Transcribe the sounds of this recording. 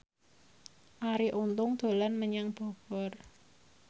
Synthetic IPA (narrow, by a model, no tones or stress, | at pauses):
ʔaɾiʔunt̪ʊŋd̪̥o̤lanməɲaŋb̥ɔ̤b̥ɔr